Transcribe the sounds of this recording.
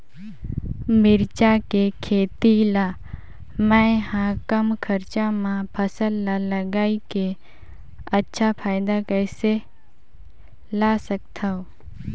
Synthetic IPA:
mɪɾt͡ʃakekʰeːt̪ila | məjhãkəmkʰəɾt͡ʃamãpʰəsəlːaləɡaːike | ətːʃʰapʰaːjd̪akəse | lasəkt̪ʰao

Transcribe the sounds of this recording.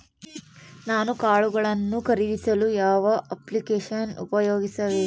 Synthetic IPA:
naːnukaːɭuɡɐɭɐnːukɐɾid̪isɐlujaːʋɐʔɐplikeːʂɐnṵpɐjoːɡisɐʋeː

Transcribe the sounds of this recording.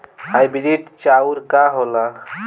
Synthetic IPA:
hajbiɾiʈt͡ʃauɾkaɦola

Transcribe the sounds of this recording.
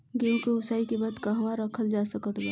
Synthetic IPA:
ɡemkoʊsaːikebad̪kaɦɐmaɾəkʰəld͡ʒasəkət̪bɛ

